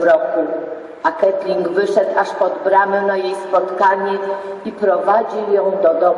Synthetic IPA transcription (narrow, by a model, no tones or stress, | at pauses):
ɾɔku | akɛt̪lʲiŋɡvɘʂɛt̪aʂpɔd̪bɾamɛnajejspɔt̪kaɲɛipɾɔvad͡ʑijɔ̃w̃d̪ɔd̪ɔ